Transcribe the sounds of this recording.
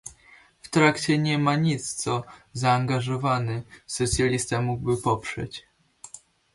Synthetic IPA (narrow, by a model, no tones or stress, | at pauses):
ft̪ɾakt͡ɕɛɲɛmaɲit̪st̪sɔzaːŋɡaʐɔvanɘsɔt̪sʲjalʲist̪amuɡ̚bɘpɔpʂɛ̰t͡ɕ